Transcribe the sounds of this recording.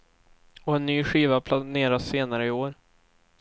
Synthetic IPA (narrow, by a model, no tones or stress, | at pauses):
ɔɛnːyːɧiːvapʰlaneːɾaseːnaɾəɪoːɾ